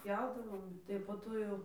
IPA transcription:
ˈpʲjɛʊdɐʋoːm tɐɪ poː ˈtoː jɛʊ

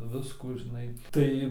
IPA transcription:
ˈʋʲɪskuː ʒʲɪˈnɐɪ ˈtɐɪ

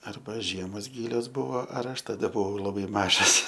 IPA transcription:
ˈɐrbɐ ˈʒʲiɛmoːs ˈɡʲiːlʲoːs ˈbʊʋoː ɐr ˈɐʃ tɐˈdɐ bʊˈʋɐʊ lˠɐˈbɐɪ ˈmɑːʒɐs

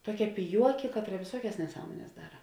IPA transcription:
ˈtuɔˌkʲɛ pʲɪˈjuɔkʲɪ ˈkɑːtˌrɐ ʋʲɪˈsuɔkʲɛs nʲɛˈsɑːmoːnʲɛs ˈdɑːrɐ

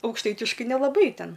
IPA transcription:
ɐʊkʃˈtɐɪtʲɪʃkɐɪ nʲɛlˠɐˈbɐɪ ˈtʲɛn

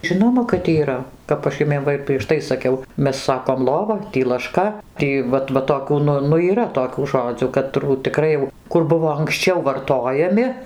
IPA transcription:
ˈʒʲɪnoːmɐ kɐt iːˈrɐ ˈkɐp ɐʃ ˈjʊmʲiɛm ˈʋɐ ɪr pʲrʲiɛʃ ˈtɐɪ sɐˈkʲɛʊ ˈmʲɛs ˈsɑːkoːm ˈlˠoːʋɐ ˈtʲiː lˠɐˈʃkɐ ˈtʲiː ˈʋɐt ʋɐ toːˈkʲuː ˈnʊ nʊ iːˈrɐ toːˈkʲuː ˈʒoːd͡zʲuː kɐˈtruː tʲɪˈkrɐɪ jɛʊ ˈkʊr ˈbʊʋoː ɐŋksʲˈt͡ʃʲɛʊ ʋɐrˈtoːjɛmʲɪ

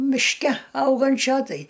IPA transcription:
mʲɪʃʲˈkʲɛ ˈɐʊɡɐnʲt͡ʃʲoː ˈtɐɪ

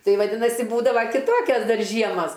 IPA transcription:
ˈtɐɪ ʋɐˈdʲɪnɐsʲɪ ˈbuːdɐʋɐ kʲɪˈtoːkʲɛs ˈdɐr ˈʒʲiɛmɐs

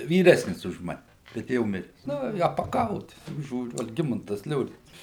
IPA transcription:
ʋʲiːˈrʲæːsʲnʲɪs ʊʃ ˈmɑːnʲɛ bʲɛt ˈjɛʊ ˈmʲɪrʲɛs ˈnʊ ɪ ɐpɐˈkɐʊ tʲɪk ˈʒʲuːrʲʊ ɐlʲˈɡʲɪmɐntɐs ˈlʲoːrʲɪnt͡sɐs

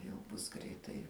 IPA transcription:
jɛʊ ˈbʊs ˈɡrʲɛɪtɐɪ

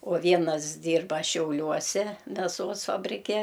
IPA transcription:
oː ˈʋʲiɛnɐs ˈdʲiːrbɐ ʃʲɛʊˈlʲuɔsʲɛ mʲɛˈsoːs fɐbʲrʲɪˈkʲɛ

